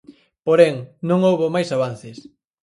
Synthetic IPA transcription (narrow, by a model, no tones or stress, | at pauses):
poɾeŋnõŋowβomajsaβanθɪs